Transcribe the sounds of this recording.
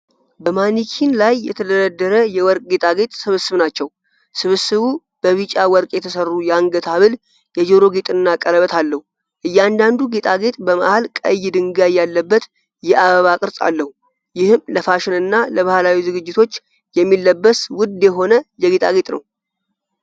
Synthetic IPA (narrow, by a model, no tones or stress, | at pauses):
bəmanikʰinlajːɛ̰t̪ʰəd̪əɾəd̪ːəɾəjɛwɔɾkʼɡe̞t̪ʼaɡe̞t̪ʼsɨβɨsːɨβnat͡ʃːɛw | sɨβɨsɨβu | b̥əβɨt͡ʃʼawɔɾkʼjɛt̪ʰəsərːujaŋɡət̪ʰaβɨl | jɛd͡ʒoɾo̞ɡet̪ʼɨnːakʼələβət̪ʰalːəhu | ʔɨjːɛand̪and̪uɡe̞t̪ʼaɡe̞t̪ʼbəma̰halkʼə̰jːɪd̪ɨŋɡajːalːəbːət̪ | jɛʔaβəβakʼɨɾsʼa̰lːəhu | jɪhɨmləfaʃɪnɨnːaləβahlawizɨɡɨd͡ʒːɪt̪ʰo̞t͡ʃː | jɛmːilːəbːəswʊd̪jɛɦo̞nəjɛɡe̞t̪ʼa̰ɡe̞t̪ʼnə̰w